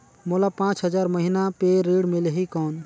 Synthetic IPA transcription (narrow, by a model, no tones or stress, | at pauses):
molapãːt͡ʃɦəd͡ʒaːɾməɦinapeɾiɽmeleɦikɔːn